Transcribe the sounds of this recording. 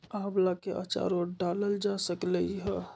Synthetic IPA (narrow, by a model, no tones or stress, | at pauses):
aɦblakeʔə̰t͡ʃa̰ɾoɖaləld͡ʒasəkləɦə